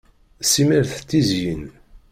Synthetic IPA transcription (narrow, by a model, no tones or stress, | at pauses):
siməɾθt̪ːizjən